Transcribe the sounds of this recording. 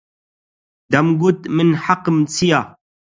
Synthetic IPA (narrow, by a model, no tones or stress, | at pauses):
d̪amɡʊt̪mɪnħaqəmt͡sʰija